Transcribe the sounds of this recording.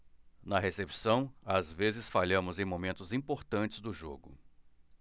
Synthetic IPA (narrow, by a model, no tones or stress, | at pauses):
nɐɦesepsɐ̃w̃azvezɪsfaʎɐ̃mʊzẽj̃momẽnt̪ʊzĩpoɾt̪ɐ̃nt͡ʃɪ̥zd̪ʊʒoɡʊ